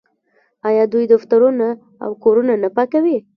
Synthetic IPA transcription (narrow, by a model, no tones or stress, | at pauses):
ɑjɑd̪ujd̪ʊxt̪aɾuna | a̰wkoɾunanapakawi